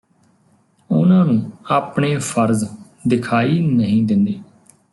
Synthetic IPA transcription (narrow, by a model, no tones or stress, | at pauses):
ʊ̰nãːnũːaːpɳeːpʰəɾz | d̪ɪkʰaːiːnəɦĩːd̪ɪnd̪iː